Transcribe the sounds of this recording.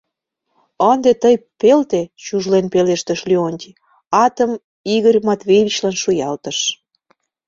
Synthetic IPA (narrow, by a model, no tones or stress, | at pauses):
ənd̪et̪əjpelt̪et͡ɕuʒlenpeleʃt̪əʃlionʲt̪ʲi | ɑt̪əm | iɣərʲmɑt̪vʲejβʲit͡ɕlɑnʃujɑlt̪ə̆ʃ